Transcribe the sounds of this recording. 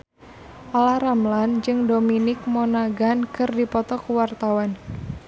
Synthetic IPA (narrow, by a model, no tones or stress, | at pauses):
ʔalaɾamland͡ʒɨŋdominɪk̚mɔnaɡankɨrdipɔt̪ɔkwart̪awan